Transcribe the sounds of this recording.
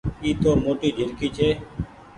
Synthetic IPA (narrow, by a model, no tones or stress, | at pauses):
iːt̪oːmoːʈiːd͡ʒʱɪlkiːt͡ʃʰeː